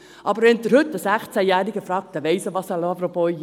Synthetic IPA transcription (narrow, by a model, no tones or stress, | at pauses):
ʔɑbəɾʋɛnd̪əɾhɵt̪ːəsæχt͡sæjæːɾiɡəfɾɑːk̚t̪əʋɛɪsəʋɑsɑlɑpɾopoː